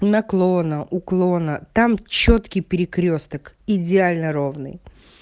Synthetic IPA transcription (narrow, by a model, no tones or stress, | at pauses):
nɐklˠonəʔʊklˠonət̪amt͡ɕot̪kʲɪjpʲɪɾʲɪkɾʲost̪əkɪdʲɪalʲnəɾo̞vnɨ̰j